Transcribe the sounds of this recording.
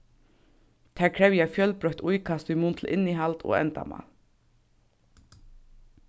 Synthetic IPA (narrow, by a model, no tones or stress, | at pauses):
t̪ʰæːɹkʰɹɛwjafjœlpɹœht̪ʊjkʰast̪ʏmuːnt̪ʰl̩ʔɪniɦalt̪o̰ːɛ̰nt̪a̰ma̰